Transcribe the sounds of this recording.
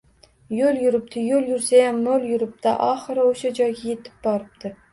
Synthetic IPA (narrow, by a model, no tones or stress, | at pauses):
joljʊɾɪp̚t̪ʰɪjoljʊɾsajamːoljʊɾɪp̚t̪aʔɒχɨɾaoʃad͡ʒɒjɡʲajet̪ʰɪ̥p̚bɒɾɪp̚t̪ʰɪ